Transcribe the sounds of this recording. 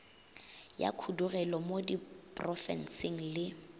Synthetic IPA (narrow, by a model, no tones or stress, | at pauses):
ja̰kʰudurɛlɔmodipʼrɔfɛ̰nsɪŋ̩lɪ